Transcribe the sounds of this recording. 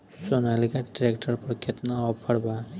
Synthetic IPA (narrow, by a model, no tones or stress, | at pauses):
sonalikaʈɾekʈəɾpɔɾkʰet̪naɔpʰʌɽba